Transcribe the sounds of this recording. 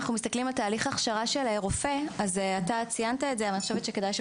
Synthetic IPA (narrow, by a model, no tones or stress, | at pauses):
aχnumist̪aklimalt̪aːliχaχʃaʁaʃelaeʁofe̞azeat̪at͡sijant̪aetzeaniχoʃevet̪ʃeke̞d̪ajʃe